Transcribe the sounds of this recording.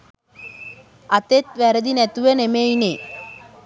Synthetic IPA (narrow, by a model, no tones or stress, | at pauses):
at̪et̪̚ʋæɾəd̪inɛt̪uʋənemejne